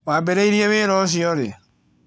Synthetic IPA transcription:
wabeɾeiɾieβeɾɔs̬iɔɾḛ

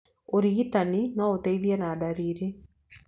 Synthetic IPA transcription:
oɾiɣit̪aninɔot̪ɛiðianaːɖaɾiɾi

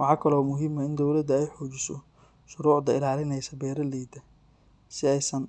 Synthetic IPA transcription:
wɑħɑːkʰɐlɔːmʊɦɪmɐɪnd̪ɔwlɐd̪ɐɛjħɔːt͡ʃɪsɔ̰ | ʃʊɾuːʕd̪ɐɪlaːlɪnɛjsɐbɛːɾɐlɛjd̪ɐ | sɪɛjsɐn

